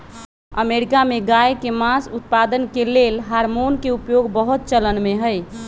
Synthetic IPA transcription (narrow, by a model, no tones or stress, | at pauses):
əmeɾikameɡajkemasut̪̚pad̪ənkelelɦaɾmonkeupjoɡbəɦut̪̚t͡ʃələnmeɦəj